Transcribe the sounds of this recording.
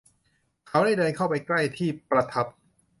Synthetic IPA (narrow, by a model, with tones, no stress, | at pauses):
kʰa˦˥wda˥˩jdɤː˧nkʰa˥˩wpa˧jkla˥˩jt̪ʰiː˥˩pɾa˧t̪ʰa˦˥p̚